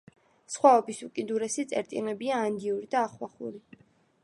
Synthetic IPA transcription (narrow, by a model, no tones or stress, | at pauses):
sχwaɔbisukʼid̪uɾɛsit̪sʼɛ̰ɾt̪ʼḭlɛbiaːnd̪iuɾid̪aːχwaχṵɾi